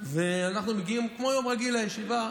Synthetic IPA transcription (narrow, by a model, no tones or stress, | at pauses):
veanaχnumeɡiimkmo̞jo̞mʁaɡilajeʃiva